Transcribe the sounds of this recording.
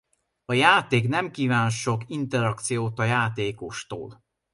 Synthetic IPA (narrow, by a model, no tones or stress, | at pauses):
ɒjaːt̪eːknɛmkiːvaːnʃʃo̞kint̪ɛɾɒkt̪sijoːt̪ɒjaːt̪eːkoʃt̪o̰ːl